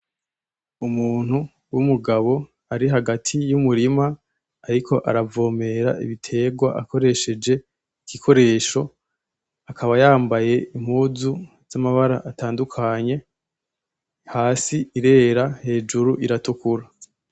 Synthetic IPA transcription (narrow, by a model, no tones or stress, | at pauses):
umuːn̥hu | wumuɡaβo̞ | aɾiɦaɡatʰijumuɾima | aɾikʰo̞ʔa̰ɾavo̞ːme̞ɾa̰ḭβitʰe̞ːɡwaʔako̞ɾe̞ʃe̞d͡ʒe̞ | ikikʰo̞ɾe̞ːʃo̞ | akʰaβajaːmbaje̞im̥huːzu | z̥amaβaɾaʔataːndukʰaɲe̞ | haːsiiɾe̞ːɾahe̞ːd͡ʒuɾuʔiɾatukuɾa